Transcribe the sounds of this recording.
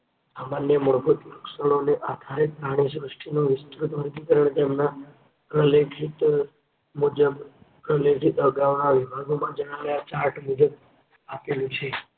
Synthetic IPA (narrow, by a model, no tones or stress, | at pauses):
samanjəməɾbut̪iɾuksəɽ̃oneʔad̪ʱaɾepɾaɽ̃is̬ɾəsʈʰinoʋɪst̪ɾut̪ʋəɾt̪ikəɾəɳ̃et̪emna | pɾəlekʰit̪ | mud͡ʒəb | pɾəlekʰit̪əɡaʋnaʋibʱaɡomãd͡ʒəɽ̃aʋeat͡ʃaɾʈmud͡ʒəb̚ | apelũt͡ʃʰe